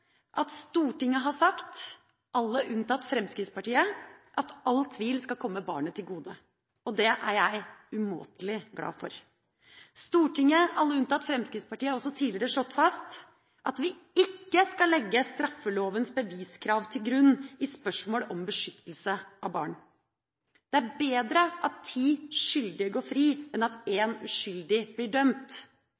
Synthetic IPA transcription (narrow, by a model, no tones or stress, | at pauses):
ʔɑt̪st̪uːʈɪŋːəɦɑsɑkt̪ | ʔɑlːəʔʉnt̪ɑt̪ːfɾɛmskɾɪt̪spɑʈiːəʔɑt̪ɑlt̪ʰʋiːlskɑlkʰɔmːəbɑ̰ːɳət̪ʰɪlɡuːd̪ə | ɔd̪ɛʔæɾjæɪʉmo̰ːt̪əlɪɡlɑ̰ːfɔ̰ɾ | st̪uːʈɪŋːəɑlːəʉnt̪ɑt̪ːfɾɛmskɾɪt̪spɑʈiːəɑɾɔsɔt̪ʰiːlɪɾəʂɭɔt̪ːfɑst̪ | ʔɑt̪ʋɪ | ɪkːəskɑlɛɡːəst̪ɾɑfːəloːʋənsbəʋiːskʰɾɑːʋt̪ʰɪlɡɾʉnːɪspœʂmoːlɔmbəʂʏt̪ʰːəlsəʔɑʋbɑ̰ːɳ | d̪̥ɛæɾbeːd̪ɾəʔɑt̪ʰːiːʂʏld̪ɪəɡoːfɾiːɛnɑt̪eːnʉʂʏld̪ɪblɪɖœmt̪